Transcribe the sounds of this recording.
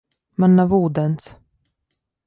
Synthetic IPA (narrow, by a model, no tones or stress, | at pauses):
manːavuːd̪əns